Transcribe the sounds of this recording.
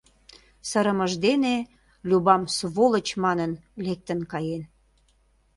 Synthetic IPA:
səɾəməʒd̪ene | lʲubɑmsβolət͡ɕmɑnənlek̚t̪ənkɑjen

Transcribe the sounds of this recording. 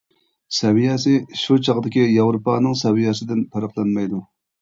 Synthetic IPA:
sɛwijɑsɪʃut͡ʃʰɑʁd̪ɪkʲijɑwɾupɑːnɨŋsɛwijɑsɪd̪ɪnpʰɑɾɑqlˠɑnmɑjd̪u

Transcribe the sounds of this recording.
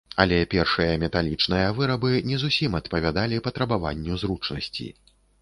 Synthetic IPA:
ɐlʲɛpʲɛrʂɨjɐmʲɛt̪alʲit͡ʂnɨjɐvɨɾɐbɨnʲɛzusʲimɐt̪pɐvʲad̪alʲipɐt̪ɾɐbava̰nʲːuzɾut͡ʂnɐsʲt͡sʲḭ

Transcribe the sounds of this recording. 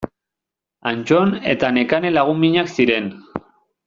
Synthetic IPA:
ant͡ʃone̞̰t̪ane̞kane̞laɣ̞umbiɲaksiɾe̞n

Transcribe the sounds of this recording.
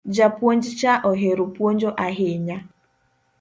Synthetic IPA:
d͡ʒapuond͡ʒɪt͡ʃaʔoɦeɾupond͡ʒoʔaɦɪɲa

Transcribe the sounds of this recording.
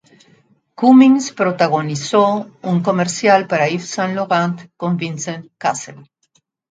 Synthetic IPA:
kumiŋspɾot̪aɣonisouŋkomeɾsjalpaɾaifsãnloɣant̪kõmbĩnsẽnt̪kasel

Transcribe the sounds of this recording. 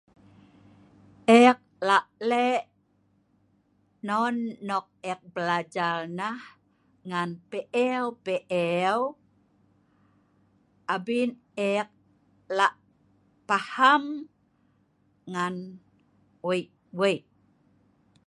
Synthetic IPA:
ʔɛk̚laʔlɛʔ | nɔnːɔk̚ɛk̚bəlad͡ʒarnah | ŋanpeʔɛwpeʔɛw | ʔabin | ɛk̚ | laʔ | paham | ŋan | wejʔ | wejʔ

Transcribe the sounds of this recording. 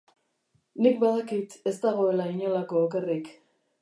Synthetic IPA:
nik̚baðakit̪e̞st̪aɣ̞o̞elaiɲolakoːke̞rik

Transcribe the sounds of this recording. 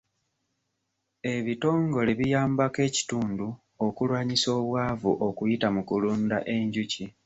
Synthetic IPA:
e̞βito̞ːŋɡo̞le̞βijaːmbake̞ːci̥tuːndu | okulwaːɲiso̞ːβwaːvuʔokujitamukuluːnda̰ʔe̞ɲɟuci

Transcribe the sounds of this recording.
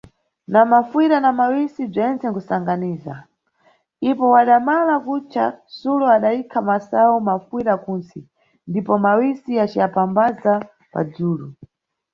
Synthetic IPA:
namafiɾanamawisib͡ʐɛnt͡sɛŋkusaŋɡaniːza̰ | ipɔwaɗamalakut͡ʃʰasuluaɗaikʰamasawumafwiɾakunsi | ndipɔmawisiat͡ʃijapambaza | pa̰d͡zuːlu

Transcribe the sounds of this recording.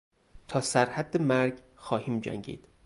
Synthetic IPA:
t̪ʰɒːsæɾhæd̪ːemæɾɟ | xɒːhiːmd͡ʒæ̰ŋɟḭːd̪̥

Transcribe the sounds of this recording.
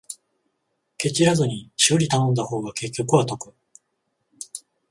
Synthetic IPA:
ke̞t͡ɕiɾazɨɲ̟iɕioɾʲit̪anõ̞nd̪aho̞ːɡake̞kʲːo̞kɯβat̪o̞kɯ̟̥

